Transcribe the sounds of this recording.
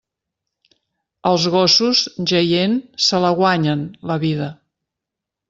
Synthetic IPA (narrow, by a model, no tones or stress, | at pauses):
əlˠzɣɔsuzʒəjensələɣwaɲənləβiðə